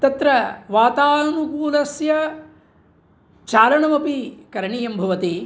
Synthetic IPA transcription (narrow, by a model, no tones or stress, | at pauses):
t̪ɐt̪ɾɐʋaːt̪aːnukuːlɐsjɐ | t͡ʃaːlɐɳɐmɐpikɐɾɳijɐmbʱɐʋɐt̪i